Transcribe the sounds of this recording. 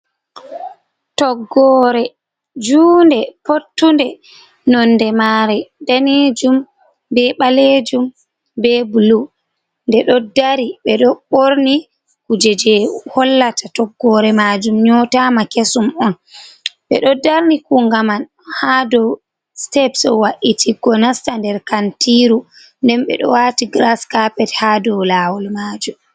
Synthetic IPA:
tɔɡːɔɾɛ | d͡ʒuːndɛpotːundɛ | nɔnːdɛmaːɾɛdanid͡ʒum | bɛɓaled͡ʒum | bɛbulu | ndɛɗɔdaɾiɓɛɗɔɓoɾni | kud͡ʒɛd͡ʒɛhɔlːatʰatɔɡːɔɾɛmad͡ʒumɲɔtamakesumɔn | ɓɛ̰ɗɔdaɾnikuŋɡaman | hadɔw | stɛpsɔwaʔitʰiɡɔnastandɛɾkantiɾu | ndɛmɓɛ̰ɗɔ̰watiɡɾaskapɛthadɔwlawɔlmaːd͡ʒum

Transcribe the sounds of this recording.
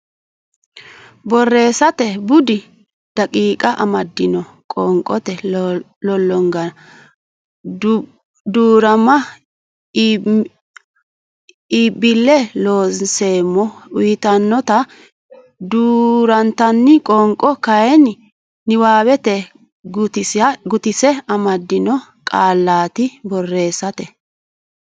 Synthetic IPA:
bɔrːe̞ːsɐt̪ɛbʊd̪ɪ | d̪̥ɐkʼiːkʼɐʔɐmɐd̪ːɪnɔ | kʼɔŋkʼːɔt̪ɛ | lɔlːɔŋɡɐ | d̪uːɾɐmɐ | ibɪlːɛloːse̞ːmːɔʊjɪt̪ɐnːɔt̪ɐ | d̪uːɾɐnt̪ɐnːɪkʼɔŋkʼːɔkɐjɛn | nːɪwaːwɛt̪ɛ | ɡʊt̪ɪsɡʊt̪ɪsɛɐmɐd̪ːɪnɔ | kʼaːlːaːt̪ɪbɔrːe̞ːsːɐt̪ɛ

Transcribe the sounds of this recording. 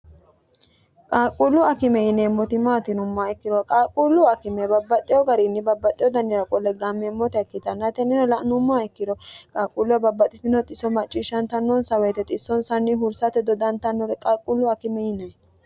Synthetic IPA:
kʼaːkʼːʊlːʊɐkɪmɛjɪnemːɔt̪ɪmaːt̪ɪnʊmːaɛkːɪd̪ɔkʼaːkʼulːʊɐkɪmɛbɐbːɐt̪ʼːɪjɔɡɐɾɪnːɪbɐbːɐt̪ʼːɪjɔd̪ɐnːɪɾɐkʼɔlːɛɡamːɛmːɔt̪ɪɐkːɪt̪ɐnːɐt̪ɛnɪnɔlɐʔnʊmːaɛkːɪd̪ɔkʼaːkʼːulːʊwɐbɐbːɐt̪ʼːɪt̪ɪnɔt̪ʼɪsɔmɐt͡ʃʼːɪʃːɐnt̪ɐnːɔnsɐwɛjt̪ɛt̪ʼɪsːɔnsɐnːɪɦʊɾsɐt̪ːɛd̪ɔd̪ɐnt̪ɐnːɔɾɛkʼaːkʼʊlːʊɐkɪmɛjɪnɐ

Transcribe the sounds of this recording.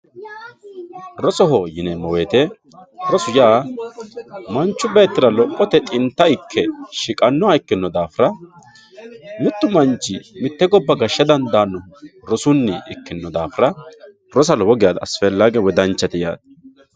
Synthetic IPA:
ɾɔsɔɦɔjɪnɛmɔweːt̪ɛ | ɾɔsʊjaː | mɐnt͡ʃːʊbeːt̪ːɪɾɐlɔkʼːɔt̪ɛt̪ʼɪnt̪ːɐɪkʰːɛʃɪkʼɐnːɔaɪkːɪnːɔd̪aːfɪɾɐ | mɪt̪ːʊmɐnt͡ʃːɪmɪt̪ːɛɡɔbːɐɡɐʃːɐd̪ɐnd̪aːnːɔɾɔsʊnːɪʔɪkːɪnːɔd̪aːfɪɾɐ | ɾɔs̬ɐlɔwɔɡɪjaːd̪ɐːsfɛlːaɡɛwɛd̪ɐnt͡ʃːɐt̪ɪja̰ːd̪̚

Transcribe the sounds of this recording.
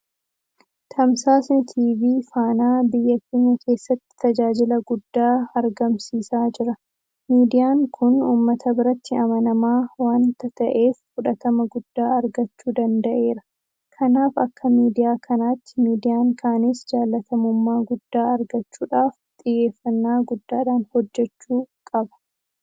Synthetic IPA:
t̪ʰɐmsaːsnɪt̪ʰiːviːfaːnaːbɪjːɐkːeːɲːɐkʰe̞ːsːɐt̪ːɪ̥t̪ɐd͡ʒaːd͡ʒɪlɐɡʊd̪ːaːɐɾɡɐmsiːsaːd͡ʒɪɾɐ | miːd̪ɪjaːŋkʰʊnuːmːɐt̪ʰɐbɪɾɐt̪ʰːɪɐmɐnɐmaːwaːnt̪ɐt̪ɐʔe̞ːfkʊᶑɐt̪ɐmɐɡʊd̪̥ːaːɐɾɡɐt͡ʃːuːd̪ɐnd̪ɐʔe̞ːɾɐ̥ | kʰɐnaːfɐkːɐmiːd̪ɪjaːkʰɐnaːt̪ːɪ̥miːd̪ɪjaːŋkʰaːnesd͡ʒaːlːɐt̪ʰɐmʊmːaːɡʊd̪ːaːɐɾɡɐt͡ʃːuːᶑaːft̪ʼɪjːe̞ːfːɐnːaːɡʊd̪ːaːᶑaːnhɔd͡ʒːɛt͡ʃːuːkʼɐbɐ̥

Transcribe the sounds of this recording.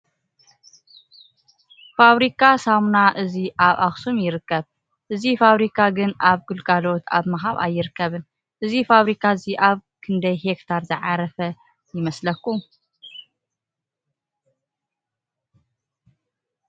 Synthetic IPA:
faβɾikʰasamnaʔɨziʔaβaxsumjɪɾɨkːɐβ | ʔɨzifaβɾikʰaɡɨnaβɡɨlɡalo̞t̪ʰa̰βmaɦaβa̰jːɪɾɨkːɐβɨn | ʔɨzifaβɾikʰaɨziʔaβkʰɨnd̪ɐjhekt̪ʰaɾzɨʕaɾɐfɐ | jɪmɐslɐkːu

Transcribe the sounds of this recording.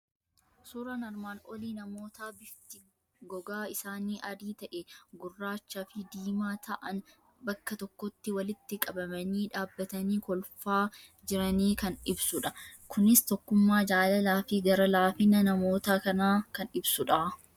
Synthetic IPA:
suːɾanɐɾmaːnɔliːnɐmo̞ːt̪aːbɪt̪ɪ | ɡɔɡaːɪsaːniːʔɐd̪iːt̪ɐʔɛɡʊrːaːt͡ʃːaːfɪd̪iːmaːt̪ʰɐʔɐn | bɐkːɐt̪ɔkːɔt̪ːɪwɐlɪt̪ːɪkʼɐbɐmɐniːᶑaːbːɐt̪ɐniːkɔlfaː | d͡ʒɪɾɐniːkɐnɪbsʊᶑɐkʰʊnɪst̪ɔkːʊmːaːd͡ʒaːlɐlaːfɪɡɐɾɐlaːfɪnɐnɐmo̞ːt̪aːkɐnaːkɐnɪbsʊᶑaː

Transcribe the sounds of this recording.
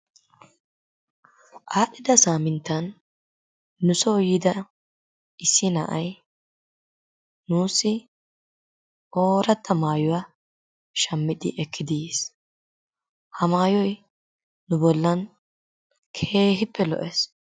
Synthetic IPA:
ʔaːɗɪd̪ɐsaːmɪnt̪ːɐn | ʊsɔːjɪd̪ɐ | ʔɪsːɪnɐ̰ʔɐj | nuːsːɪ | ʔoːɾɐt̪ʰːɐmaːjʊwa | ʃɐmːɪd̪ɪ̰ʔɛkʰːɪd̪is | hɐmaːjɔj | nːʊbɔlːɐn | kʰe̞ːɦɪpːɛlɔ̰ʔɛs

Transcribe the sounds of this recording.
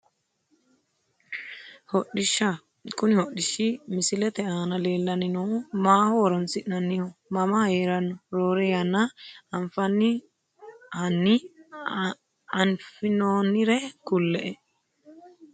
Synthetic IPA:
hɔɗɪʃːɐ | kʊnɪhɔɗːɪʃːimɪsɪlɛt̪ɛaːnɐle̞ːlːɐnɪnomaːhɔwɔɾɔnsɪʔnɐnːɪhɔmɐmɐheːɾɐnːɔɾoːɾɛɐnːɐɐnfɐnːɪ | hɐnːɪ | ɐnfɪnoːnɪɾɛkʊlːɛʔɛ

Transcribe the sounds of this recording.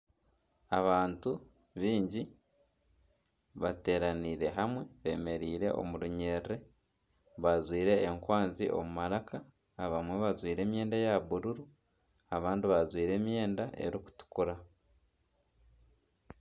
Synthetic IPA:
aβaːntu | βiːɲɟi | βate̞ːɾaniɾe̞ɦamwe̞βe̞ːme̞ɾiːɾe̞̰ʔo̞̰muɾuɲe̞ɾɾe | βazwiːɾe̞ːŋkwaːnziʔo̰mumaɾakaː | βamwe̞βazwiːɾe̞ːmje̞ːndajaβuɾuɾu | aβaːndiβazwiːɾe̞ːmje̞ːndaʔe̞̰ɾiku̥tu̥kuɾa

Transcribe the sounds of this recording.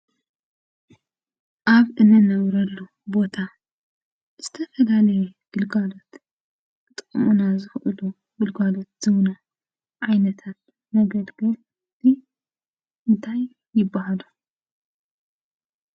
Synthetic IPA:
ʔaβʔɨnɐnɐβɾɐlːu | bo̞t̪ʰa | z̥ɨt̪ʰɐfɐlalɐjɛɡ̥ɨlɡalo̞t̪ | ɨt̪ʼɨkʼːɨmunazɨxʔɨlu | ɡɨlɡalo̞t̪̚z̥ɨβna | ʕajnɐt̪ʰat̪ | mɐɡɐd̪ɡɐl | zi | ʔɨnt̪ʰaj | jːɪbːahalu

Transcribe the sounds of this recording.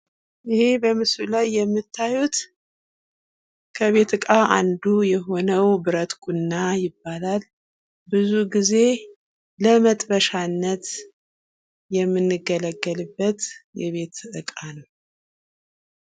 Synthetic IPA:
ʔɨhe̞bəmɨslulajːɛmːɨt̪ʰːajut̪ | kʰəβe̞t̪ɨkʼaʔand̪ujɛɦo̞nəwbɨɾət̪kʷʼunːajɪbːalal | bɨzuɡize̞ | ləmət̪ʼbəʃanːət̪ | jɛmːɨnːɨɡələɡːəlɨbːət̪jɛβe̞t̪ɨɨkʼanəw

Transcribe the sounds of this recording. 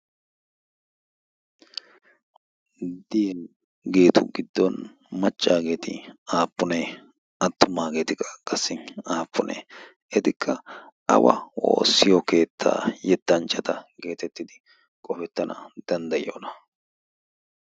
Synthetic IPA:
d̪ɪjɛn | ɡe̞ːt̪ʊ̰ɡɪd̪ːɔn | mɐt͡ʃʼːaːɡe̞ːt̪ɪaːpːʊne | ɐt̪ːʊmaːɡe̞ːt̪ɪkːɐ̥kʼɐsːɪnaːpːʊnʔɛ̰ | ɛt̪ɪkʰːɐ | ʔɐ̰wɐ̰o̞̰ːsːɪjɔke̞ːt̪ʰːa̰ːjɛt̪ːɐnt͡ʃʼːɐt̪ɐɡe̞ːt̪ɛt̪ːɪd̪ɪ | kʼɔfɛt̪ːɐnɐ̰d̪̥ɐnd̪ɐjo̰ːnɐ

